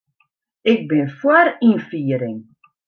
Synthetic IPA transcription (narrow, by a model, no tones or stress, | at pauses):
ɪk̚bɪnfwaɾinfiːəɾɪŋ